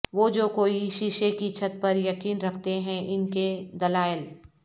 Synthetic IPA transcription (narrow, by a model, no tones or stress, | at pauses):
ʋoːd͡ʒoːkoːiʃiʃekit͡ʃʰət̪̚pɐɾjɐkiːnɾɐkʰt̪eɦɛ̃ʔɪnked̪ɐlaːjəl